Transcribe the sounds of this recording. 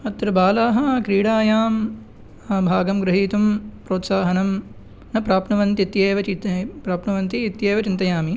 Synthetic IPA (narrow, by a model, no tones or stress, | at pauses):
ɐt̪ɾɐbaːlaːɦɐkɾiːɽaːjaːm | ɐbʱaːɡɐmɡɾɐɦiːt̪umpɾoːt̪saːɦɐnɐm | nɐpɾaːpnɐʋɐnt̪it̪jeːʋɐt͡ʃit̪pɾaːpnɐʋɐnt̪iːt̪jeːʋɐt͡ʃint̪ɐjaːmi